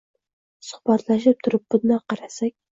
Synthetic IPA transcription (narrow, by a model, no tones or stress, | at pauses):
sʊ̥χb̥ɑt̪laʃɪp̚t̪ʰʊɾɪp̚bʊd̪nɑqɑɾasakʲ